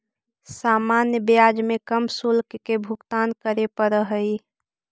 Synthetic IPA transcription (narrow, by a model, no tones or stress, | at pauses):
saːmaːnjəbjad͡ʒmekəmsulkkebʱʊkt̪aːnkəɾepəɾəɦəi